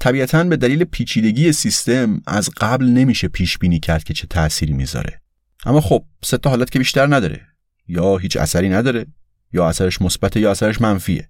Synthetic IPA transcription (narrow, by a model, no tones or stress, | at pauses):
t̪ʰæbiːʔæt̪ʰænbe̞d̪æliːlepʰiːt͡ʃʰiːd̪e̞ɟiːje̞sist̪e̞mæ̰zɢæblne̞miːʃepʰiːʃb̥iːniːcʰæɾd̪̚cʰe̞t͡ʃʰe̞t̪ʰæsiːɾiːmḭːzɒ̰ɾe̞̰ | ʔæ̰mːɒːxob̥̚set̪ʰːɒɦɒːlæt̪cʰe̞biʃt̪æɾnæd̪ɒːɾḛ | jɒːɦiːt͡ʃʰæ̰sæɾiːnæd̪ɒːɾe | jɒːæsæɾeʃmosbæt̪ʰejɒːæsæɾeʃmænfiːḛ